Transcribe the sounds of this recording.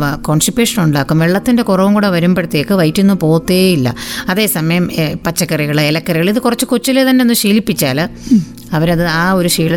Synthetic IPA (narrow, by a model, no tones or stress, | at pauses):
koːnsʈipjuːʂɐnuɳɖaːkːumʋeɭːɐt̪ːinde̞kurɐʋumkuːɽeʋɐɾumbeɽut̪ːekːɨʋɐjtːunːupo̞ːt̪ːeilːɐ̰ɐðe̞ːsɐmɐjɐmpɐt͡ɕːɐkːɐriɣɐɭɨelɐkːɐriɣɐɭiðɨkurɐt͡ɕːɨkot͡ɕːilet̪ɐnːe̞onːuɕiːlipːit͡ɕːaːlɨ | ɐʋɐɾɐðɨaːo̞ɾuɕiːɭɐ